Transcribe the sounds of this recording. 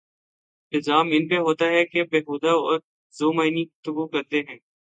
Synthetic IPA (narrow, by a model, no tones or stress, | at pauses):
nɪzaːmɪnpeɦoːt̪aɦɛkebeːɦuːd̪aɔːɾ | zoːmaːiniɡʊft̪ʊɡukɐɾt̪eɦɛ̃ː